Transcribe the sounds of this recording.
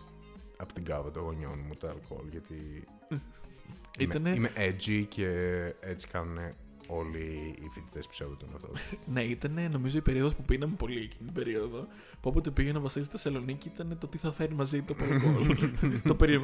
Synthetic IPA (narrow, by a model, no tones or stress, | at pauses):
ɐpot̪iɡɐvɐt̪oɣoɲo̞̰nmut̪oɐ̰lko̞̰lʝɐt̪i | imt̪ɐneimeʔed͡zicʰeet͡si̥kɐnune | o̞liːfit̪i̥t̪e̞spu̥sevud̪ɐnɐ̰ft̪o̰t̪ne̞it̪ɐne̞no̞mizo̞ipe̞ɾio̞ðo̞spupinɐmpo̞liecinit̪ibe̞ɾio̞ðo̞ | po̞pot̪epiɣenɐvɐsizet̪esɐlo̞niciit̪ɐne̞t̪ot̪iθɐfe̞ɾimɐzit̪oɐlkkolt̪opeɾi